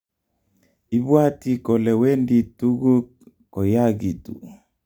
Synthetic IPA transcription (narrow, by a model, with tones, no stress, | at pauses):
i˦βwa˦ti˦kɔ˨lɛ˨wɛ˦ndi˨tu˦ɣu˦k | kɔ˨ja˦ɣi˨tṵ˨